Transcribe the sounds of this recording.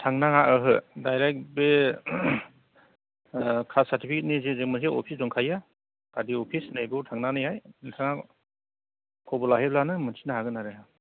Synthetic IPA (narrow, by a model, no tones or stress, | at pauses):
tʰaŋnaŋaʔɯɦɯdajɾek̚be | kʰasaɾtipʰiket̚nizezek̚mɯns̬eʔɔ̰pʰisdɔŋkʰaja | kadiɔpʰisnajbɯtʰaŋnanɯjhajtʰaŋa | kʰɔbɔlaɦeblanɯmɯnsʰi̥naɦaɡɯnaɾajɦa